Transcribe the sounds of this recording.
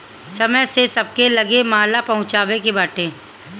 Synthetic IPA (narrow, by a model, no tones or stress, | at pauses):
sɐməjsesɐb̚kelɐɡemɐaːlapɐɦʊ̃t͡ʃaːʋekibaːʈẽː